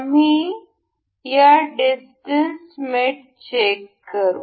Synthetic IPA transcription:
am̤i | jaɖisʈənsmeʈ | t͡ɕekːəɾṵ

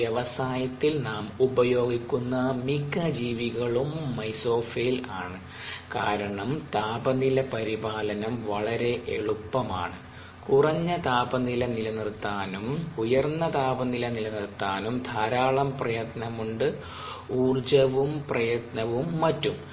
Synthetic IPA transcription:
ʋjeʋɐsaːjɐt̪ːilnaːmubɐjo̞ːɡikʲːunːɐmikɐd͡ʑiːʋiɣɐɭumːɐjso̞ːfelaːɳɨ | kaːɾɐɳɐmt̪aːbɐnilɐpɐɾibaːlɐnɐmʋɐɭɐɾe̞ʔḛɭupːɐma̰ːɳɨ | kurɐɲːɐt̪aːbɐnilɐnilɐnirt̪ːaːnumujɐrnːɐt̪aːbɐnilɐnilɐnirt̪ːaːnumd̪ʱaːɾaːɭɐmprɐjɐt̪nɐmuɳɖɨ | uːrd͡ʑɐʋumprɐjɐt̪nɐʋumːɐtːum

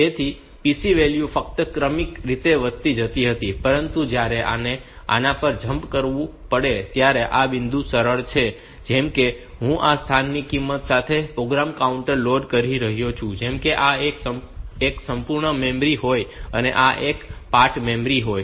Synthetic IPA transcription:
t̪et̪ʰi | pisiʋeljufək̚t̪əkɾəmikɾit̪eʋət̪ːid͡ʒət̪iɦət̪ipəɾənt̪ud͡ʒjaɾeʔa̰ne | a̰nãpəɾd͡ʒəmpkəɾʋũpəɽet̪jaɾeʔabɪnd̪ʱũsəɾəɭt͡ʃʰe | d͡ʒɛmke | ɦũʔast̪ʰanːikimːət̪sat̪ʰepɾoɡɾamkauɳʈəɾloɖkəɾiɾəɦjot͡ʃʰũd͡ʒɛmkeʔaekəeksəmpuɾɳəmɛmɾiɦojəneʔaʔekpaʈmɛ̃mbɾiɦoj

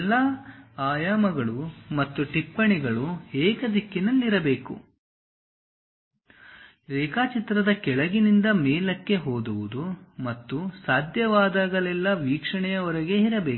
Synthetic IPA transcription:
ɛlːaaːjaːmɐɡɐɭumɐt̪ːuʈipːɐɳiɡɐɭuɛːkɐd̪ikːinɐlːiɾɐbe̞ːkṵ | ɛːkaːt͡ʃit̪ɾɐd̪ɐkɛɭɐɡinind̪ɐmeːlɐkːe̞ɦoːd̪uʋud̪umɐt̪ːusaːd̪ʱjɐʋaːd̪aːɡɐlɛlːɐʋiːkʂɐɳɛjɐɔɾɐɡe̞iɾɐbe̞ːk

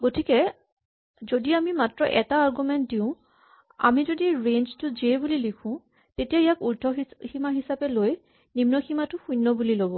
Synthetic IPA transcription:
ɡotʰikɛ | zodiamimatɹɔʔɛtaːɹɡumɛnt̚diʊ̃ | a̰mizodiɹenztʊziɛbulilikʰʊ̃ | tetijaijakultʰɔɦiximaɦisapɛloj | nimnɔximatʊxujnːɔbulilobɔ

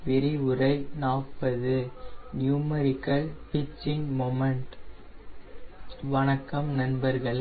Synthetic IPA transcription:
ʋɪɾɪʊrɐɪnaːpːɐðɯnjuːmɐɾɪkːɐlpɪt͡ʃːɪŋmɔmɐɳʈ | ʋɐnɐkːɐmnɐnbɐɾɣɐɭ

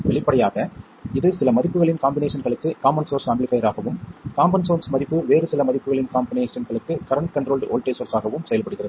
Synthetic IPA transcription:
ʋɛɭɪpːɐɽɐjaːɣɐ | ɪðɯsɪlɐmɐðɪpːɯɣɐɭɪnkaːmbɪneːʂɐnɣɐɭɯkːɯkaːmɐnsoːɾsɐmblɪpɐjɐɾaːɣɐʋɯmkaːmbɐnsoːnsmɐðɪpːɯʋeːɾɯsɪlɐmɐðɪpːɯɣɐɭɪnkaːmbɪneːʂɐnɣɐɭɯkːɯkɐɾɐɳʈ̚kɐɳɖɾoːlɖo̰ːlʈeːsoːɾsaːɣɐʋɯmsɛjɐlpɐɽɯɣɪrɐðɯ

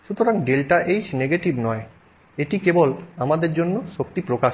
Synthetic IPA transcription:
ʃut̪ʰoɾaŋɖelʈaʔejd͡ʑneɡeʈibnɔe | eʈikebolamad̪eɾd͡ʑonːoʃok̚t̪ipɾokaʃ

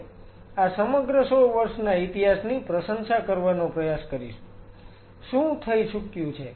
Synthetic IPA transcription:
asəməɡɾəsoʋəɾʃnait̪iɦasnipɾəsənʃakəɾʋanõpɾəjaskəɾiʃ | ʃũt̪ʰəjʃʰʊkjũt͡ʃʰe

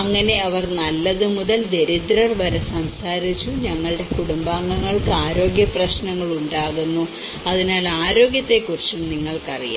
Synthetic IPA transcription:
ɐŋːɐne̞ɐʋɐrnɐlːɐðɨmuðɐld̪e̞ɾid̪ɾɐrʋɐɾɐsɐmsaːɾit͡ɕːuɲɐŋːɐɭɨɽe̞kuɽumbaːŋːɐŋːɐɭkɨaːɾo̞ːɡjɐprɐɕnɐŋːɐɭuɳɖaːɣunːu | ɐðinaːlaːɾo̞ːɡjɐt̪ːe̞kːurit͡ɕːumniŋːɐɭkɐrḭja̰ː

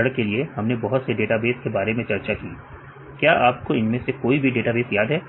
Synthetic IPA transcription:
ɐɽəkːelieɦɐmnebɔɦʊt̪seɖeːʈabeːskebaːɾemẽt͡ʃɐɾt͡ʃakiː | kjaːʔaːp̚koɪnmẽsekoːibʱiɖeːʈabeːsjaːd̪ɦɛː

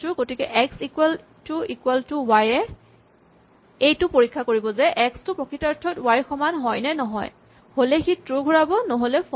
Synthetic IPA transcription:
tʊɡotikɛʔɛksikwɛl | tʊikwɛltʊwajɛ | ejtʊpoɹikʰːakoɹibɔzɛʔɛkstʊpɹɔkʰitaɹtʰːɔtwaɹxɔmanɦɔjnɛnɔɦɔ̰j | holɛxitɹuɡʱuɹabɔnɔɦolɛf

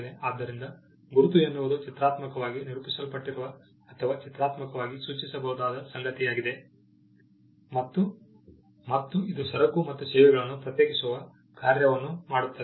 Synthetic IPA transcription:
d̪eaːd̪ːɐɾind̪ɐ | ɡuɾut̪uenːuʋɐd̪ut͡ʃit̪ɾaːt̪mɐkɐʋaːɡiniɾupisɐlpɐʈːiɾuʋɐ | ɐt̪ʰɐʋaːt͡ʃit̪ɾaːt̪mɐkɐʋaːɡisuːt͡ʃisɐbɐɦud̪aːd̪ɐsɐŋɡɐt̪ijaːɡid̪e̞ | mɐt̪ː | mɐt̪ːuid̪usɐɾɐkːumɐt̪ːusɛːʋɛɡɐɭɐnːupɾɐt̪jeːkisuʋɐ | kaːɾjɐʋɐnːumaːɽut̪ːɐ

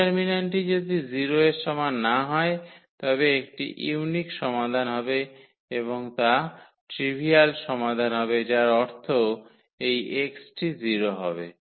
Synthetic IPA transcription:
ɛɾminanʈid͡ʑod̪iziɾoeɾʃɔmanːaɦɔet̪ɔbeek̚ʈḭʔḭwnikʃɔmad̪ʱanɦɔbe | eβoŋt̪a | ʈɾibʱialʃɔmad̪ʱanɦɔbed͡ʑaɾɔɾt̪ʰo | ejeksʈiziɾoɦɔ̰bḛ

